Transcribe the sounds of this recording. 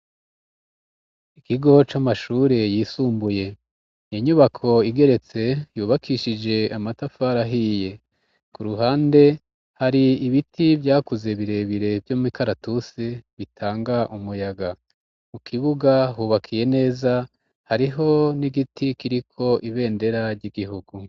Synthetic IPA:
ikiɡo̞t͡ʃamaʃuːɾe̞jiːsuːmbuje̞ | jiɲuβakʰo̞iɡe̞ɾe̞t͡se̞juːβakʰiʃid͡ʒe̞amatafaːɾaɦiːje̞ | kuɾuɦaːnde̞ | haɾiiβitʰivjaːkuzeβiɾe̞βiɾe̞vjomuikaɾatuseβitʰaːŋɡaʔumujaɡa | mukʰiβuɡahuːβakʰije̞ne̞ːza | haɾiɦo̞niɡitikiɾikʰo̞ʔiβe̞ːnde̞ɾaɾɟiɡiɦuɡu

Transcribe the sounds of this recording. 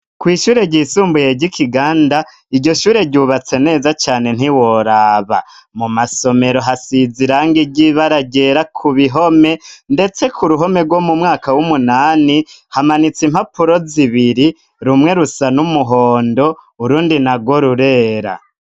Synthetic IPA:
kwiːʃuːɾe̞ɟiːsuːmbuje̞ɟikʰiɡaːnda | iɟo̞ʃuːɾe̞ɟuβat͡se̞ne̞ːzat͡ʃaːne̞n̥iwo̞ɾaːβa̰mumasome̞ɾo̞ɦasiziɾaːŋɡiɟiβaɾaɟe̞ɾakʰuβiɦo̞me̞nde̞t͡se̞kʰuɾuɦo̞me̞ɡwo̞mumŋaːkawumunaːnihamanit͡sim̥hapuɾo̞ziβiɾi | ɾumŋe̞ɾusanumuɦo̞ːndo̞ | uɾuːndinaɡwo̞ɾuɾe̞ːɾa̰

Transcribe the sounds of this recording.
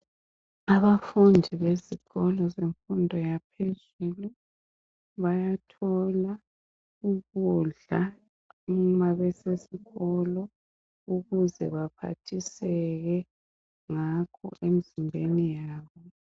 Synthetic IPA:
aβafundʱiβeziɣɔlɔzeɱfundʱɔjapʰez | uːlu | βajatʰɔla | uɣuɮa | umaβɛsesiɣɔlɔ | uɣuzɛ̰βapʰa̰tʰisɛɣɛ | ŋakʰɔ̰ʔemizimbʱenijaaːβɔ

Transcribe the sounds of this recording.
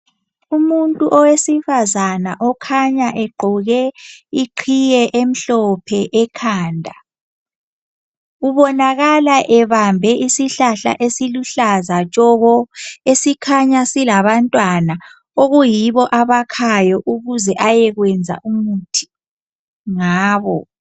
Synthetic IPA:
umuntʼuʔɔwesifazanaʔɔkʰaɲaʔɛɡ͡ǃʱɔɣɛiǃʰijɛʔem̩ɬɔpʰɛʔɛkʰaːndʱa | uβɔnaɣalaʔɛβambʱɛʔisiɬaɬa̰ʔesiluɬazat͡ʃʼɔɣɔesikʰaɲasilaβantʼwana | oɣujiβɔʔaβakʰajɔʔuɣuzɛʔajɛɣwɛnd͡zʱa̰ʔumutʰi̥ | ŋaːβɔ

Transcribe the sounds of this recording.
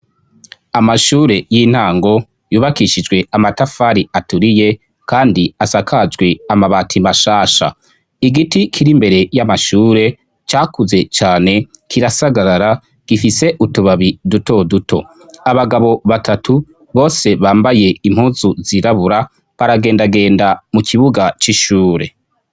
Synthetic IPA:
amaʃuːɾe̞jiːn̥haːŋɡo̞ | juːβakiʃid͡ʒɡwe̞amatafaɾiatuɾije̞ | kaːndiasakʰad͡ʒɡwe̞amaβaːtʰimaʃaːʃa̰ | iɡitikʰiɾimbe̞ɾe̞jamaʃuːɾe̞ | t͡ʃaːkuze̞t͡ʃaːne̞kʰiɾasaɡaɾaɾa | ɡ̥ifise̞ʔutuβaβiduto̞dutʰo̞̰ | aβaɡaβo̞βatʰatʰu | βo̞ːse̞βaːmbaje̞im̥huːzuziɾaβuɾa | βaɾaɡe̞ːndaɡe̞ːndamukʰiβuɡat͡ʃiʃuːɾe̞̰

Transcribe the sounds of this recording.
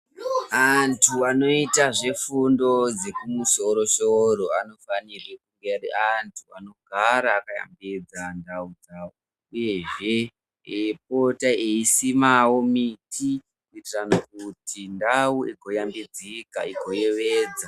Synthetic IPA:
antʰuano̞itaʐe̞fundo̞d͡ze̞kumuso̞ɾo̞ʃoɾo̞ano̞fanirikuŋɡereantʰua̰no̞ɡʱaɾaːkaja̰mbed͡zandaud͡zau | uje̞ʐe̞ | p̚o̞taeisimawo̞mitʰi | itranok̚utindauʔeɡʱo̞jambed͡zika̰iɡʱo̞je̞ʋeːd͡za

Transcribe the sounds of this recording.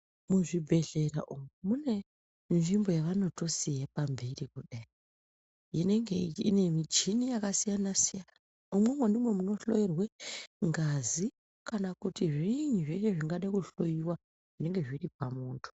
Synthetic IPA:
muʐibʱe̞ɬe̞ra̰ʔumwemune̞ | nʐimbo̞jaʋano̞to̞siɦepambirikuɗai | jine̞ŋɡeine̞mit͡ʃinijakasijanasijanaa | umwemwendimwe̞muno̞ɬojirweŋɡazi | kanakutiʐiɲuʐeʃeʐiŋɡaɗaikuɬojiwa | ʐ̥ine̞ŋɡe̞ʐirip̚amuːntʰu̥

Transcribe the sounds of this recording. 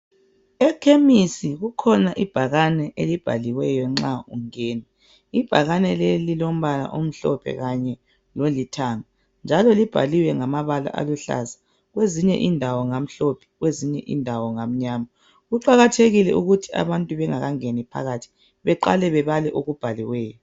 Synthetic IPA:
ɛkʰemisiɣukʰɔnaʔib̥ʱaɣanɛʔelib̥ʱa̰liwɛjɔŋ͡ǁauŋeːnɛ | ib̥ʱaɣanɛlelilom̩βala̰ʔom̩ɬɔ̰pʰɛ̰ɣaɲɛ | lolitʰaŋa | nd͡ʒʱalɔlib̥ʱa̰liwɛŋamaβala̰ʔa̰luɬa̰za | ɣweziɲɛ̰ʔindʱawɔŋam̩ɬopʰɛ̥ɣweziɲɛ̰ʔḭndʱawɔŋam̩ɲaːma | ɣuǃaɣatʰeɣilɛʔuɣutʰia̰βantʼuβɛŋaɣaŋenipʰa̰ɣatʰi̥ | βɛǃa̰lɛβɛβalɛʔoɣub̥ʱaliwɛːjɔ

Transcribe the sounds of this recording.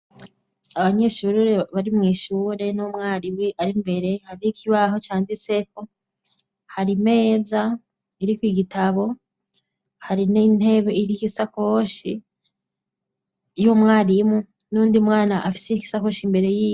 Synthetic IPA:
aβaɲe̞ʃuːɾɾeβaɾimŋiːʃuːɾe̞nomŋaːɾiwiaɾimbe̞ɾe̞haɾiikʰiβaɦo̞t͡ʃaːndiseko | haɾime̞ːza | iɾikwiɡitʰaβo̞ | haɾinin̥he̞βeiɾikisako̞ʃi | jomŋaːɾimu | nuːndiumŋaːnaʔːfi̥seki̥sako̞ʃimbe̞ɾe̞jiː

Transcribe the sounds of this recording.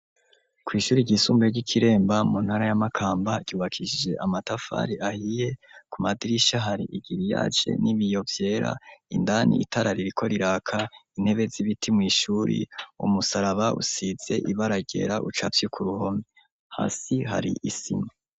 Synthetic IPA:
kwiːʃuːɾiɟisuːmbeeɾɟikʰiɾe̞ːmbamun̥haɾajamakʰaːmbaɟ̥uːβakʰiʃid͡ʒe̞ʔamatafa̰ɾiahije̞kumadiɾiʃaɦaɾḭʔiɡiɾija̰ːt͡ʃe̞̰niβijo̞vje̞ːɾa̰indanḭːtʰaɾaɾiɾikʰo̞ɾiɾaːkʰain̥he̞βe̞ziβitʰimŋiːʃuːɾḭṵmusaɾaβaʔṵsiz̥e̞ʔiβaɾaɟe̞̰ɾaʔut͡ʃafjekʰuɾuho̞me | ha̰ːsiɦa̰ɾḭʔisḭma

